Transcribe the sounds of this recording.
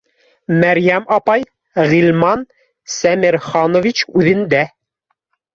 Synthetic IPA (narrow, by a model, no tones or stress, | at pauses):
mæɾjæmɑpɑj | ʁilˠmɑn | sæmiɾχɑnŏvʲit͡ɕʉðɘ̆nd̪æ